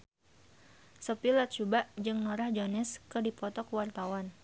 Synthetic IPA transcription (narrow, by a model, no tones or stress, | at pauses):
səpilat̪̚t͡ʃubaʔd͡ʒɨŋnɔɾahd͡ʒonɛskərdipɔt̪ɔkwart̪awan